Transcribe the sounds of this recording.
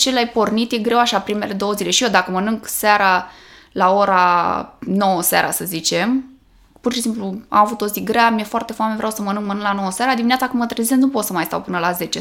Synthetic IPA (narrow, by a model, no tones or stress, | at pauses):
t͡ʃelajpo̞rnit̪je̞ɡɾe̞waʃapɾime̞le̞d̪o̞wəzile̞ʃijod̪akəmənɨŋɡsaɾalao̞ɾa | no̞wəsa̰ɾa̰səzit͡ʃe̞m | purʃisimplua̰mavut̪o̞ziɡɾeamije̞foart̪e̞foamevɾjawsəmənɨŋɡmənɨŋɡlanowəseaɾad̪imineat̪sakəmət̪ɾezesennupo̞t̪səmajst̪a̰wpɨnəlaze̞t͡ʃe